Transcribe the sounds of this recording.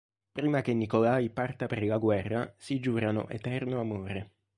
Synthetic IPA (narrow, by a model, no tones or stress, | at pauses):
pɾiːmak̟enːikolaːjpart̪apeɾlaɡwɛrːa̰sid͡ʒuːɾanʊ̰ʔḛt̪ɛrnoamoːɾe